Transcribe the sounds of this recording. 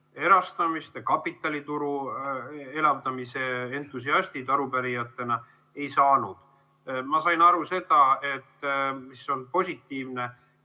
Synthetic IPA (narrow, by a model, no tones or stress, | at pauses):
e̞ɾɑst̪ɑmist̪ekɑpːˑit̪ːˑɑlʲit̪uɾu | e̞lɑvd̪ɑmise̞ent̪ːusiɑsʲt̪it̪ɑɾupæɾijɑt̪ːˑe̞nɑ | e̞jsɑːnud̪̥ | mɑsɑjnɑɾuse̞d̪̥ɑe̞t̪ːmisːo̞npo̞sʲit̪ːiːvne̞